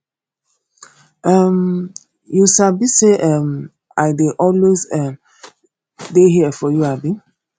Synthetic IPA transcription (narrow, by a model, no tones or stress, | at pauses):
ʔam | jusabiseʔɛm | aɪdeʔɔlwezɛm | deɦiəfɔjuabi